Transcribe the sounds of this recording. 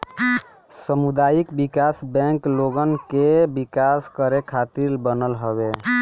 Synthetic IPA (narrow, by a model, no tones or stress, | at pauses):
səmud̪ajikbikasbɛ̃ŋkloɡənkebikaskəɾekʰat̪iɾbənəlɦəβe